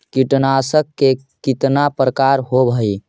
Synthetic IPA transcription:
kiʈnasəkːe | kit̪napɾəkaɾɦobʱəj

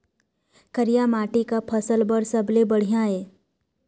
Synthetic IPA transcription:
kəɾijamaːʈikapʰəsəlbəɾsəblebəɽ̤ijãɦeː

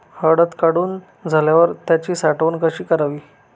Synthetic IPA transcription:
həɽət̪kaɽuːn | d͡zʱaljaʋəɾt̪jat͡ɕiːsaʈʋənkəɕiːkəɾaʋiː

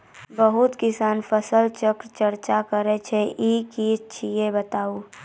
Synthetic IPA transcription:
bəɦʊt̪kɪsaːnpʰəsəlt͡ʃəkɾt͡ʃəɾt͡ʃakəɾɛt͡ʃʰeʔikid͡ʒt͡ʃʰijebət̪aːu

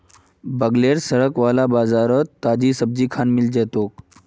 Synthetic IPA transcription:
bəɡleɾsəɽəkʋalabad͡zaɾət̪ːad͡ʑiːsəb̚d͡ʑiːkʰanmild͡ʑɛt̪ok̚

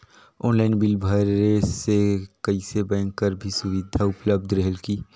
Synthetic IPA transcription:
ɔːnlaːɪnbɪlbʱɐɾesekɐisebɛ̃ːŋkːəɾbʱisʊʋɪd̪ʱaʊpləb̚d̪ʱɾɛɦəlkiː

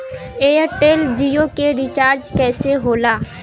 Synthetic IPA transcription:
eːəɾʈeːld͡ʒiːjokeɾɪt͡ʃaːɾd͡ʒkɛːseɦoːlaː

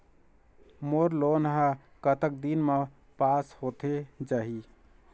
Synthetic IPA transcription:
moɾlonɦã | kət̪ək̚d̪inme | pashot̪ʰed͡ʒaɦi

